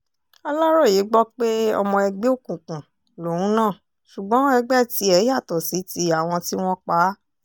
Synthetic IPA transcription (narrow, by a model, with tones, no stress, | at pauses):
ɔ˧lɔ˦ɾɔ˦˨je˨˦ɡ͡bɔ˦k͡pe˦ɔ̰˧mɔ̃˧ɛ˧ɡ͡be˦o˦˨kũ˨kũ˨ | lo˨wũ˨˦nãː˦˨ | ʃu˨ɡ͡bɔ̃˨˦ɛ˧ɡ͡bɛ˦˨ti˧˦ɛ˨˧˦ja˦˨tɔ˨si˨˦ti˧˦a˨w̃ɔ̃˧ti˦w̃ɔ̃˦k͡pa˨˦